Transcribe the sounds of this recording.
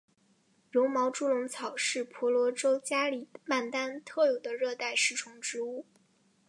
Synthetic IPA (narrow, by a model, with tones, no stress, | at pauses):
jo˧˥ʊmɑ˧˥ʊʈ͡ʂu˥lʊ˧˥ŋt͡sʰɑ˨˩ʊʂɻ̩˥˩pʰɔ˧˥lwɔ˧˥ʈ͡ʂo˥ʊt͡ɕja˥li˨˩ma˥˩nt̪a˥nt̪ʰɤ˥˩jo˨˩d̪ə˦ɻɤ˥˧t̪a˥˧ɪʂɻ̩˥˩ʈ͡ʂʰʊ˧˥ŋʈ͡ʂɻ̩˧˥u˥˩